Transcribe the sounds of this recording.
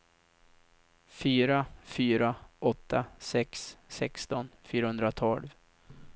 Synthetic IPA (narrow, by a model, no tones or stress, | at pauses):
fyːɾafyːɾaʔɔt̪ːasɛksːɛkst̪ɔnfyːɾahɵnd̪ɾat̪ʰɔlv